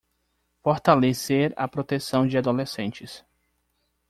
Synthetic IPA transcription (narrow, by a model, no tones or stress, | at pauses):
foɾt̪aleseɾɐ̰pɾot̪esɐ̃w̃d͡ʒɪad̪olesẽnt͡ʃɪs